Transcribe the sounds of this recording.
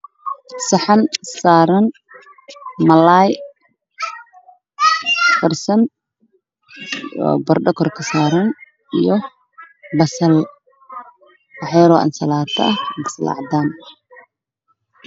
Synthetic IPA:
sɐħɑnsaːɾɐn | mɐlaːj | fɐrsɐn | ɔ̰bɐrɖɔkʰɔrkʰɐsaːɾɐn | ijɔ | bɐsɐl | ɑħɛɾɔʔɐ̰nsɐlaːt̪ʰɐʔɐbɐslɑ̰ʕd̪aːn

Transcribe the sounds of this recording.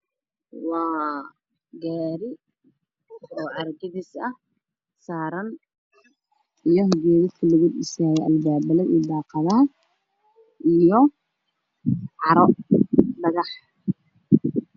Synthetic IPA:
wɑː | ɡaːɾɪ | ɔːʕɑrɡɪðisɐh | saːɾɐn | ʔijɔɦɔɡɛːɣɐkʰɐlɐɣuɗɪsaːjɛʔɐlbaːbɐlɛid̪ɑːqɑðɐɐ | ʔijɔ | ʕɑɾɔɖɐɣɑħ

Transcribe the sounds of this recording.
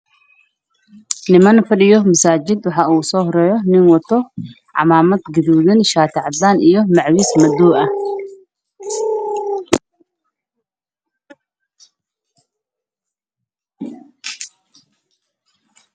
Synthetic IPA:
nɪmɐnfɐɗɪjɔmɐsaːd͡ʒɪd̪waħaʔusɔhɾɛjɔnɪnwɔt̪ʰːɔ | ʕa̰maːmɐt̪ɡɪd̪uːðɪnʃaːt̪ʰɐʕd̪anʔɪjɔmɐʕwismɐd̪uːʔɐ

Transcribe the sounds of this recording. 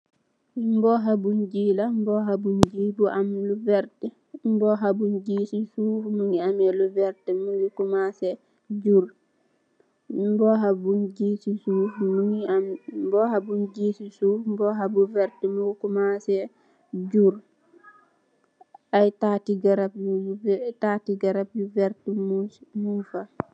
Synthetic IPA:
mbɔɦabund͡ʒilambɔɦabund͡ʒiːbuʔamluvɛɾtɛ | mbɔɦabund͡ʒisisumuŋiamɛluvɛɾtɛmujukumasɛ | d͡ʒuɾ | mbɔɦabund͡ʒiːsisumuniambɔhabund͡ʒisisumbɔɦabuvɛɾtɛmukumasɛ | d͡ʒuɾ | ʔajtatiɡaɾapjutatiɡaɾapjuvɛɾtɛmumufa

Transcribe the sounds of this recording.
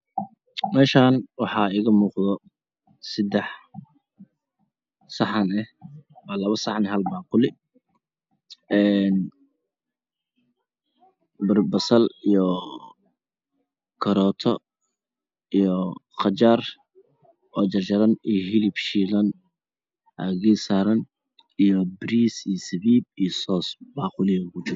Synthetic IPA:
mɛːʃaːnwɑħɑiːɣɐmuːqðɔ | sɪd̪ɛħ | sɑħɐnɛhwɑːlɐβɐsɑħnɛɦɐlmɑːqʊlɪ | ʔɛːn | bɐrbɐsɐlijɔ | kʰɐɾɔːt̪ʰɔ | ijɔqɑt͡ʃaːr | ʔɔːt͡ʃɐrd͡ʒɐɾɐnijɦɪlibʃiːlɐn | ɐ̰ɣiːsaːɾɐn | ijɔbɾiːsijsɐβiːb̚ijɔsɔːsbaːqʊlɪɐʊkʊt͡ʃɪɾ

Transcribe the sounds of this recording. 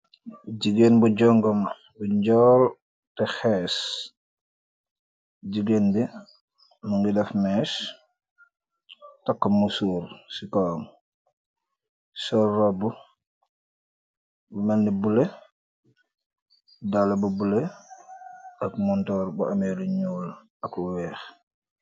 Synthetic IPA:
ɟiɡenbuɟɔŋɡɔm | buɲɟɔːl | tɛxɛːs | ɟiɡenbi | muŋɡidɛfmɛːs | tɐkːɐmusuːɾsikɔːm | sɔrrɔbu | bumɛndibule | dalabubule | ɐkmuntɔːɾbuʔamɛluɲuːl | ɐkuwɛːx

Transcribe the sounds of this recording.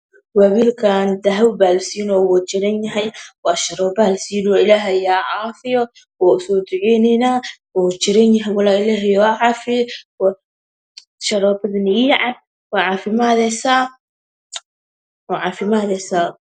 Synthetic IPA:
wawiːlkʰaːnd̪ɐɦɐwbaːlsiːnɔwɔːt͡ʃɪɾɛnjɐɦɛjwaːʃɐɾɔːbalsiːnwɔːɪlaːɦɛjaːʕaːfɪjɔ | wɔːʊsɔːd̪ʊʕɛnɛjnaːwɔːt͡ʃɪɾɐnjɐɦɛjwɐlaːɪlaːɦɛjɔʕɑːfɪwa | ʃɐɾɔːbɐðɐnɪiːʕɑd̚ | waːʕafɪmaːðɛsaː | ʕafɪmaːðɛsaː

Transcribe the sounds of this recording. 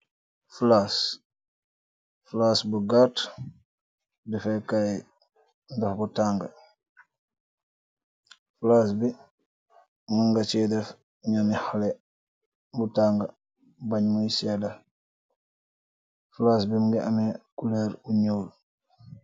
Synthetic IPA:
flas | flasbuɡaːt | dɛfɛkaj | ndɔfbutaːŋɡɐ | fulaːsbi | muŋɡat͡ʃiːdɛf | ɲamixalɛ | butaŋɡɐ | baɲmujisɛdɐ | fulaːs̬bimuŋɡiʔamɛkulɛɾuɲoːl

